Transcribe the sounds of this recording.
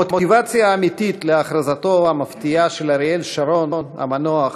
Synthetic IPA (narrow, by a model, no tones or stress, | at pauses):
ot̪moivat͡sijaːmit̪it̪leaχɾazat̪ohamaft̪ijaʃelaɾeelʃaɾo̞nna̰manoaχ